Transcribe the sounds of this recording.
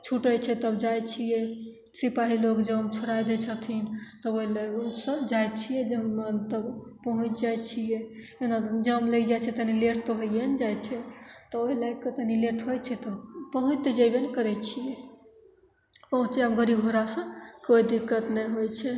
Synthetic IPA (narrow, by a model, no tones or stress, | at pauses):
t͡ʃʰuʈəjt͡ʃʰɛt̪əbd͡ʒajt͡ʃʰijɛ | sipaɦilokd͡ʒəbəmt͡ʃʰoɾajd̪et͡ʃʰət̪ʰint̪ɔoɦilaɡsə̃d͡ʒajt͡ʃʰijɛd͡ʒəmt̪əbpəɦũt͡ʃd͡ʒajt͡ʃʰijɛ | enad͡ʒəmləid͡ʒajt͡ʃʰɛt̪ənileʈt̪ɔɦoijend͡ʒajt͡ʃʰɛt̪ɔoɦilaɡkət̪ənileʈɦojt͡ʃʰɛt̪əbpəɦũt͡ʃt̪ed͡ʒajbenkəɾɛt͡ʃʰije | pəɦũt͡ʃʰiəmɡəɾibɦoɾasə̃koid̪ikːət̪nɛjɦojt͡ʃʰɛ